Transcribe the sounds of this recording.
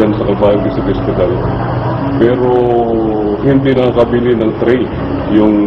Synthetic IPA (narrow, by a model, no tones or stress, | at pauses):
ansɐkɐbaːjoɪsɐfɛst̪ɪd̪al | pɛːɾo | ɦɪnd̪inɐkakɐbiːlɪnɐŋt̪ɾɛj | jʊŋ